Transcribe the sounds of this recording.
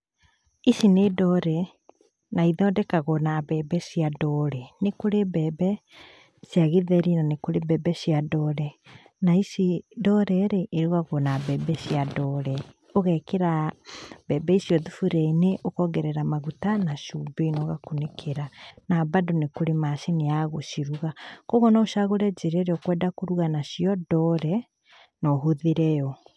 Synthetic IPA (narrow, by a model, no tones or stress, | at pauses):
isinedɔɾɛ | naiðɔːdɛkaɣɔnabɛːbɛsiadɔɾɛnekoɾebɛːbɛ | sjaɣeðɛɾinanekoɾebɛːbɛsiadɔːɾɛ | naisidɔɾɛɾeʔːɾuɣaɣɔnabɛːbɛsjadɔːɾɛ | oɣɛkeɾa | bɛbɛisjɔðufuɾɛineʔokɔɡɛɾɛɾamaɣutanaʃubeinɔɣakonekʰeɾanabadonekoɾemaʃineaɣoʃiɾuɣakɔɣɔnaoʃaɣoɾɛd͡ʒeɾɛɾeɔkwɛdakoɾuɣanaʃiɔdɔɾɛ | nɔɦoðeɾɛjɔ